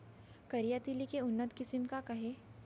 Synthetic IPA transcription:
kɐɾijat̪ilikeʊnːət̪kɪsɪmkakɐɦe

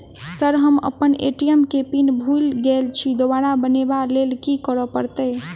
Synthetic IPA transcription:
səɾɦəmə̰pənḛʈijəmkepinbʱulɡelt͡ʃʰid̪obaɾabənebalelkikɔɾɔpəɾt̪ə

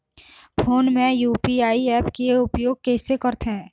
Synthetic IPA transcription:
pʰoːnmẽjuːpiaːiɛːpkeʊpjoːɡ̚kɛːsekəɾt̪ɦɛ̃ː

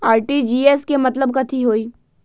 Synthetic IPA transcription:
aːɾʈid͡ʒiːeːskemɐt̪ləbkɐt̪ʰiɦoːiː

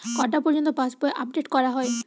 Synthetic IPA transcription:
kɔɾʈapɔɾd͡ʑont̪opaspoeʔap̚ɖeʈkɔɾaɦɔe

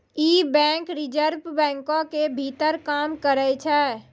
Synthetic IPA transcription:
iːbɛ̃ːŋkɾɪd͡ʒəɾbbɛ̃ːŋkõkebʱit̪əɾkaːmkəɾəjt͡ʃʰɛː

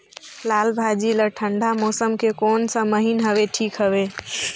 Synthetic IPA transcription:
lalbʱad͡ʒiləʈʰəɳɖʱamɔsəmkekoːnsəməɦinɦəbeʈʰikɦəbe

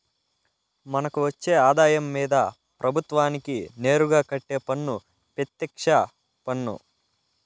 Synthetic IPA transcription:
mɐnɐkuʋɐt͡ʃːe̞ːaːd̪aːjɐmːiːd̪ɐ | pɾɐbʱut̪ʋaːnikine̞ːɾuɡaːkɐʈːe̞ːpɐnːu | pet̪ːɛkʂɐ | pɐnːṵ

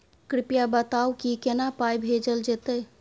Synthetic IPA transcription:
kɾɪpjabət̪awkikenapajbʱed͡ʒəld͡ʒet̪ə

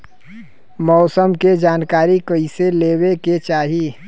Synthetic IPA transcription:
mɔːsəmked͡ʒaːnkaːɾikəiseleːweket͡ʃaːɦiː

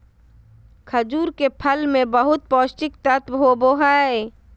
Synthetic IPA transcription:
kʰəd͡ʒuːɾkepʰəlmẽbəɦʊt̪̚pɔːst͡ʃɪk̚t̪ət̪ɦoboɦae

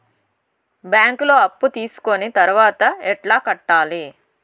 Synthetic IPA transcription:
bjaːŋkulo̞ːɐpːut̪iːsu̥konit̪ɐɾuʋaːt̪ɐɛʈlaːkɐʈːaːli

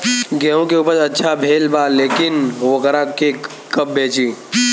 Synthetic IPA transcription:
ɡeũkeupəɾətːʃʰabʱeːlbaleːkɪnokəɾake | kəp̚bʱeːt͡ʃiː

